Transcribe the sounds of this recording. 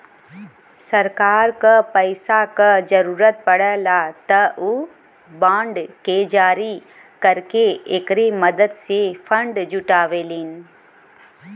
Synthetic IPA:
sɐɾkaːɾkəpɐɪsakəzɐɾuːɾət̪̚pɐɽəlaːt̪ɐu | bãːɳɖked͡ʒaːɾi | kɐɾkeekɾemɐd̪əd̪sefɐ̃ɳɖd͡ʑʊʈaːʋeːliːnɪ̆

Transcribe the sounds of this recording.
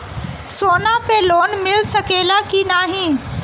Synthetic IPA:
soːnapeloːnmɪlsɐkeːlakinaːɦĩː

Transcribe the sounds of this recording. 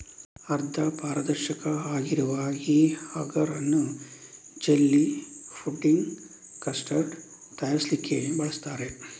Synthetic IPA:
ɐɾd̪ʰʱɐpaːɾɐd̪ɐɾʃɐkɐaːɡiɾuʋɐiːhɐɡɐɾɐnːu | d͡ʒelːipʰuʈːiŋɡ | kɐsʈɐɾɖ | t̪ɐjaslikːebɐɭɐst̪aːɾe̞

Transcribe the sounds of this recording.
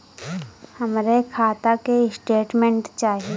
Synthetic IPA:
həmɾekʰaːt̪akesʈeːʈmẽɳʈt͡ʃaːɦie

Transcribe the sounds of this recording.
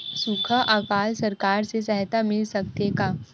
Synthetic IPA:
sukʰəʔaːkaːlsɐɾkaːɾsesɛɦt̪amɪlsɐk̚t̪ekaː

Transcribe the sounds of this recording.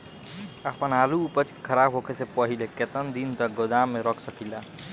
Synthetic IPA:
apənaluːpət͡ʃke̥kʰəɾabɦokesepəɦileket̪ənd̪int̪əɡod̪amːeɾɔkʰsəkila

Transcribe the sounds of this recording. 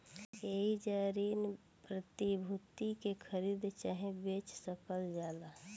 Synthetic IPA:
eid͡ʒaːɾin | pɾət̪ibʱut̪ikekʰəɾiːd̪t͡ʃaːɦẽbet͡ʃsəkəld͡ʒjaːd̪a

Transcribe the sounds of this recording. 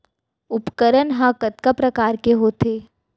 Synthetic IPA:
ʊpkəɾənɦãkət̪̚kapɾɐkaːɾkeɦoːt̪eː

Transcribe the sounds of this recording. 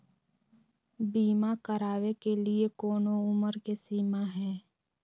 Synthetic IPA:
biːmakəɾaːwekeliekɔːnoʊməɾkesiːmaɦɛː

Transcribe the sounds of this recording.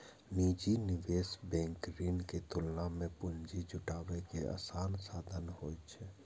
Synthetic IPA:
niːd͡ʒinɪʋeːsbɛ̃ːŋkɾiːnket̪ʊlnamẽpʊnd͡ʒid͡ʒʱʊʈaːʋekea̰ːsaːnsaːd̪ʱənɦoːjt͡ʃʰɛ

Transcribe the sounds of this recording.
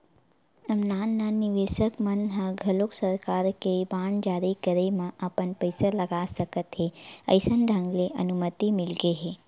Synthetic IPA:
ɐmnaːnːanɪʋeːʃəkmənɦãɡʱɐloksəɾkaːɾkebaːɳd͡ʒaːɾikəɾimãʔapənpəjsalɐɡasəkət̪ɦeə̰ɪsənɖʱãŋɡleʔɐ̰numət̪imɪlɡeɦe

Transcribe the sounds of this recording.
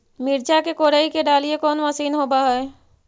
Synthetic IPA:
mɪɾd͡ʒakekoːɽaːikeɖaːliekɔːnʋasiːnɦoːbaɦəe

